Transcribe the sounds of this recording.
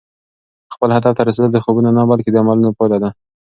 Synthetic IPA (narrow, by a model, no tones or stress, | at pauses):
xpəlhad̪ɑt̪aɾas̬ed̪əld̪əxobunanabalked̪əamɑlunopajlad̪a